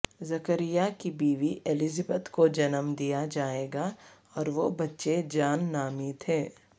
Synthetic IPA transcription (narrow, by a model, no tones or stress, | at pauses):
zɐkəɾɪjakibiːʋiʔelɪzəbət̪kod͡ʒɐnəmd̪ijad͡ʒaːeːɡa | ɔːɾʋobɐtːʃed͡ʒaːnːaːmit̪ʰeː